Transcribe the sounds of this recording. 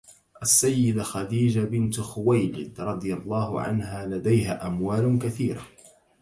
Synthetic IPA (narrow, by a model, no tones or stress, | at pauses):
ʔasːajːɪd̪axɑd̪iːd͡ʒabɪnt̪xʊwajlɪd̪ɾˤɑd̪ˤɨjalˤːɑːhʊ̰ʕa̰nɦaːlad̪ajɦaːʔamwaːlkaθiːɾa